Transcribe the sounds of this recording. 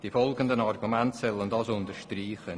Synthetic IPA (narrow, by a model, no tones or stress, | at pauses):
d̥iːfɔlɡəndənarɡumɛntsɛləndɑsʊntəɾʃtriːχə